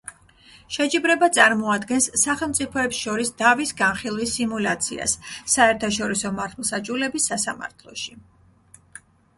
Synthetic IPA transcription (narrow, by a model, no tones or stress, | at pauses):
ʃɛt͡ʃʼibɾɛbat̪sʼaɾmɔad̪ɡɛnsːaχɛlˠmt̪sʼipʰɔɛpsʃɔɾisd̪avisɡanχilˠwisimulat̪sʰḭa̰sːaɛɾt̪ʰaʃɔɾisɔmaɾt̪ʰɛlˠsat͡ʃʼulɛbisːasama̰ɾt̪ʰlˠɔ̰ʃi